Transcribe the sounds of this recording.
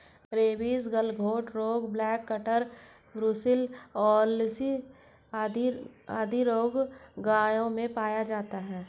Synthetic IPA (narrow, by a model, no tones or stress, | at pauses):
ɾeːbiːsɡəlɡʱoːʈɾoːɡblɛːkːəʈəɾ | bɾusɪlɔːlsi | ad̪iaːd̪ʱiɾoːɡɡaːjõmẽpaːjad͡ʒaːt̪aɦɛː